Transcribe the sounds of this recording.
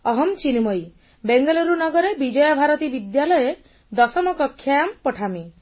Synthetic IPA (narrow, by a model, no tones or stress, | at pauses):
ɔɦɔmt͡ʃinimɔj | beŋɡɔlɔɾunɔɡɔɾebid͡ʒɔjɔbʱaɾɔt̪ibid̪jalɔje | d̪ɔsɔmɔkɔkʰːjampɔʈʰami